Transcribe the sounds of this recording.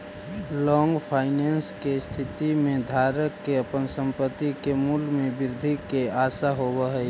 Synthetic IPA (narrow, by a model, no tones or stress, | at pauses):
lɔŋɡpʰaːɪnenskest̪ʰit̪imẽd̪ʱaɾəkːeəpənsəmpət̪ːikemulmẽbɪɾd̪ʱikeaːsaɦobəɦɛ